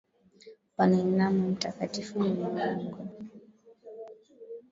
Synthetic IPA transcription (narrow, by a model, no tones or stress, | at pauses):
paninamum̩takatifum̩ɔŋɔŋɡɔ